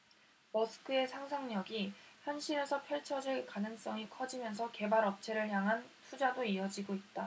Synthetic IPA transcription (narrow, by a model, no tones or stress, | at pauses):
mʌsʰɯ̥kʰɯe̞sʰaŋsʰaŋɲʌɡiçjʌnɕʰiɾe̞sʰʌpʰjʌɭt͡ɕʰʌd͡ʑiɭkanɯŋs͈ʌŋikʰʌd͡ʑimjʌnsʰʌke̞baɾʌp̚t͡ɕʰe̞ɾɯɭçjaŋɦantʰud͡ʑadoiʌd͡ʑiɡoit̚t͈a